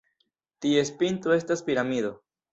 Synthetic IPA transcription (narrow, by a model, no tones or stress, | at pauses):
t̪ie̞spint̪ɾoe̞staspiɾamid̪o̞